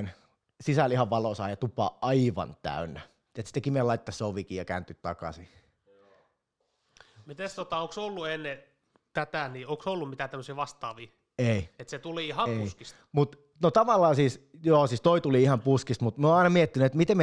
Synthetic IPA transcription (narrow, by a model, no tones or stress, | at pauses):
n | sisælihɑʋʋɑlosɑ̰ːjɑt̪upˑɑ̰ːʔɑiʋɑ̰nt̪æ̰ynːˑæ | et̪set̪ekimeelɑit̪et̪ːɑssoʋikiːjɑkæ̰ːnt̪ːyt̪t̪ɑ̰kɑ̰si | mit̪est̪ot̪ɑoksolːuenːe | t̪æt̪ænioːksolːumit̪æt̪æmːøsiːʋɑst̪ɑːʋiː | eiet̪set̪uliˑihɑpeuskist̪mut̪ | not̪ɑʋɑlːˑɑːsiːsjoːsiːst̪oit̪uliihɑmpuskist̪mut̪myoːɑinɑmiet̪ːinyet̪mit̪em